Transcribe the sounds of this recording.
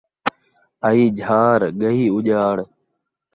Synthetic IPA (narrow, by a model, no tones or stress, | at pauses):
əiːd͡ʒʱaːɾɡəɦiːʊʄaːɽ